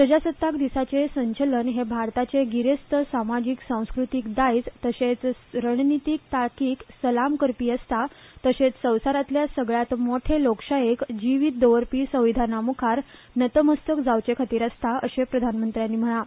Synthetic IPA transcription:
səd͡ʑasət̪ːakd̪isat͡sesəɲt͡ɕələnɦebʱaɾt̪at͡seɡiɾest̪əsamad͡ʑiksãw̃skɾut̪ikd̪ajt͡st̪əset͡sɾəɳnit̪iːk̚t̪akiːksəlamkəɾpiːəst̪at̪əset͡ssə̃wsaɾat̪ljasəɡɭjat̪moʈʰelokʂajekd͡ʑiʋiːt̪̚d̪əʋəɾpiːsə̃w̃ʋid̪ʱanamukʰaɾ | nət̪əməst̪əkd͡zawt͡ɕekʰat̪iːɾast̪aəsepɾəd̪ʱanmənt̪ɾjanːiːm̤əɽ̃a

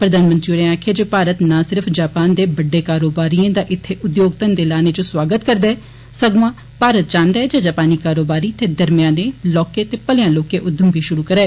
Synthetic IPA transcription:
pɾəd̪aːnmənt̪ɾiːoɾẽaːkʰjeːd͡ʒoːpaːɾət̪nãːsɪɾəpʰd͡ʒaːpaːnd̪eːbəɖːeːkaːɾoːbaːɾiãːd̪aːʔɪt̪ʰːeːʔʊd̪joːɡt̪ənd̪eːlaːneːt͡ʃõːswaːɡət̪kəɾd̪aːɛː | səɡmãː | paːɾət̪̚t͡ʃãːnd̪aːɛd͡ʒaːd͡ʒaːpaːniːkaːɾoːbaːɾiːt̪eːd̪əɾmɪjãːneːlɔːkeːt̪eːpəlɪjãːloːkeːʔʊd̪ːəmbʱiːʃʊɾuːkəɾɛː

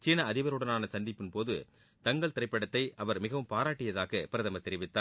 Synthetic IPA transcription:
t͡ʃiːnɐɐðɪʋɐɾɯɽɐnaːnɐsɐnd̪ɪpːɯnpoːðɯ | t̪ɐŋɡɐɭt̪ɪɾɐɪpːɐɽɐt̪ːɐɪʔɐʋɐɾmɪɣɐʋɯmpaːɾaːʈːɪjɐðaːɣɐpɪɾɐðɐmɐt̪ːɛɾɪʋɪt̪ːaː

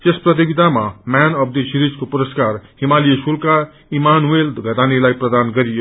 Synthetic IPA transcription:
t̪esprʌt̪̬ibit̪amamanʌb̚d̪esiɾid͡zkopuɾʌskarhimaliesulka | imanuelɡʱʌʈ̪anelajprʌd̪anɡʌɾijo

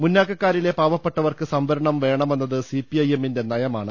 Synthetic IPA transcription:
munːaːkːɐkːaːɾile̞paːʋɐpːeʈːɐʋɐrkɨsɐmbɐɾɐɳɐmʋe̞ːɳɐme̞nːɐðɨsipːiɐje̞mːinde̞nɐjɐmaːɳɨ

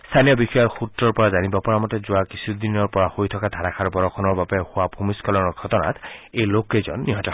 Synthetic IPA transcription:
st̪ʰanijɔbixɔjɔɹxutɹɔɹpɔɹazanibɔpɔɹamɔtɛzʊakisʰud̪inɔɹpɔɹahojtʰɔkad̪ʱaɹakʰaɹbɔɹɔkʰɔnɔɹbabɛhʊabʰʱumiskɔlɔnɔɹɡʱɔtɔna̰tejlokezɔ̰nːiɦɔtɔ

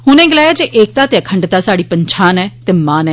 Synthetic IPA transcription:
hʊnɛ̃ːɡɪlaːjaːd͡ʒeːʔeːk̚t̪aːt̪eːəkʰəɳɖt̪aːsaːɽiːpəɲt͡ʃʰaːnɛːt̪eːmaːnɛː

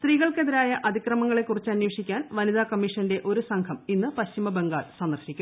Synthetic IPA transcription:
st̪riːɣɐɭke̞ðiɾaːjɐʔɐd̪ʱikrɐmɐŋːɐɭe̞kːurit͡ɕːɨɐnjoːʂikʲːaːnʋɐniðaːkɐmːiʂɐnde̞ʔo̞ɾusɐŋkʰɐminːɨpɐɕimɐbe̞ŋɡaːɭsɐnd̪ɐrʂikʲːum

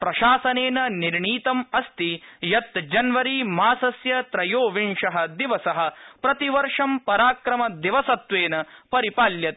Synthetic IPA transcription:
pɾɐʃaːsɐneːnɐniɾɳiːt̪ɐmɐst̪ijɐt̪d͡ʒɐnʋɐɾimaːsɐsjɐt̪ɾɐjoːʋiɳʂɐɦɐ̆d̪iʋɐsɐɦɐ̆pɾɐt̪iʋɐɾʂɐmpɐɾaːkɾɐmɐd̪iʋɐsɐt̪ʋeːnɐpɐɾipaːljɐt̪̚

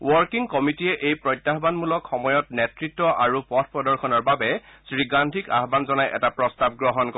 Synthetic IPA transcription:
wɔɹkiŋkɔmitijɛʔejpɹɔjtːaɦbanmulɔkʰxɔmɔjɔt̚nɛtɹitːɔʔaɹupɔtʰpɹɔdɔɹxʰɔnɔɹbabɛsɹiɡandʱʰika̰ɦbanzɔnajʔɛ̰tapɹɔstab̚ɡɹɔɦɔnkɔ

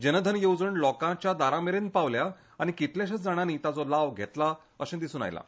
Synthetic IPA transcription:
d͡ʑənəd̪ʱənjowd͡zəɳlɔkãt͡ɕjad̪aɾameɾenpaʋlja | aɽ̃ikit̪ljaɕ̬at͡sd͡zaɽ̃aniːt̪ad͡zɔlaʋɡʱḛt̪la | əsẽd̪isuːna̰jla̰

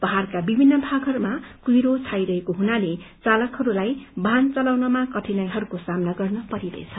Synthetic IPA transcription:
b̥ʌɦarkabibʱinːʌbʱaɡɦʌɾumakiɾot͡sʰajɾʌɦekoɦunalet͡salʌkhʌɾulajbʱant͡sʌlawnʌmakʌʈʰinajɦʌɾukosamnaɡʌrnʌpʌɾiɾʌ̰et͡sʰʌ̥

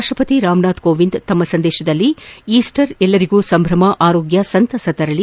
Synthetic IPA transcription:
ʂʈɾɐpɐt̪iɾaːmɳaːd̪koːʋind̪t̪ɐmːɐsɐnd̪ɛːʃɐd̪ɐlːiiːsʈɐɾɛlːɐɾiɡuːsɐmbʱɾɐmɐʔaːɾoːɡjɐsɐnt̪ɐsɐt̪ɐɾɐli

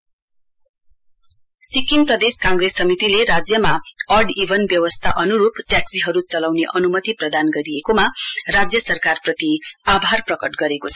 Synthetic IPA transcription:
sikiŋprʌd̪eskãŋɡresːʌmit̪ileɾad͡zjʌmaʌrɖibʱʌnbjʌwʌst̪ʰaʔʌnuɾupʈjaksiɦʌɾut͡sʌlawneʔʌnumʌt̪iprʌd̪anɡʌɾiekomarad͡zjʌsʌrkarprʌt̪iabʱarprʌkʌʈɡʌɾekot͡sʰʌ̥

